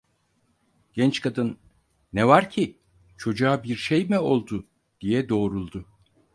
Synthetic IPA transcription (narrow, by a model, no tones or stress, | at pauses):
ɟ̥ɛnt͡ʃkʰad̪ɯnː | ɛvaɾcʰi | t͡ʃʰo̞d͡ʒaːbiɾʃejmio̞lˠd̪ʊ | d̪̥ijɛd̪o̞ːɾulˠd̪ʊ